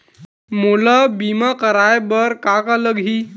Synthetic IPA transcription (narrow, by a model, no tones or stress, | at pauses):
mulabimakəɾajbəɾkakaləɡɦi